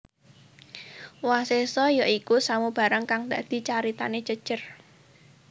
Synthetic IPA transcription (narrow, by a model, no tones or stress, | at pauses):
wasesɔjaikusamub̥a̤ɾaŋkaŋd̪aʔd̪̥i̤t͡ʃaɾit̪a̰ne̥d͡ʒ̥əd̥ʒ̥ər